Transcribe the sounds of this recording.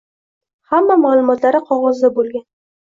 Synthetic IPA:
hamːamalˠʊmɒt̪laɾɪqʰɒʁɒzd̪abolˠɡʲan

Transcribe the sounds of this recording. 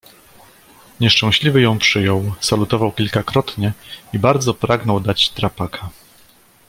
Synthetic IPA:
ɲɛʂt͡ʂɛ̃w̃ɕlʲivɘjɔ̃w̃pʂɘjɔwsalut̪ɔvawkʲilkakɾɔt̪ɲɛibaɾd̪zɔpɾaɡnɔwd̪at͡ɕt̪ɾapakʰa

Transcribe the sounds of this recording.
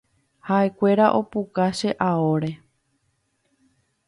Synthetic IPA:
haʔe̞kʷe̞ɾaʔo̞pukaʃe̞ʔaoɾe̞

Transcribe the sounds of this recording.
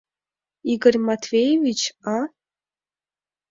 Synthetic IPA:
iɡərʲmat̪ʰvʲejevʲit͡ʃʰa

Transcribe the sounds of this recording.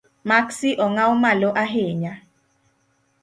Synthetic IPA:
maksiʔɔŋaumalɔʔaɦeːɲa

